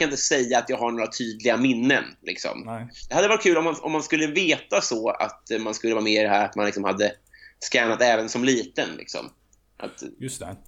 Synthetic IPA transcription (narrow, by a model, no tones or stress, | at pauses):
anɪnt̪əsɛjːaːt̪jɑːɡhaɳoːɾat̪ʰyːd̪lɪɡamɪnːə̰nlɪ̰ksɔ̰md̪̥ɛhad̪ːvɑɾt̪̚kʰʉ̟ːlɔmːanɔ̰mːanskɵlːəveːt̪asɔa̰t̪manskɵlːəvɑːmeːɪd̪ɛɦæːɾat̪manlɪksɔmhad̪ːə | skɛːnat̪ɛːvənsɔmliːt̪ənlʔɪ̰ksɔ̰m | ʔa̰t̪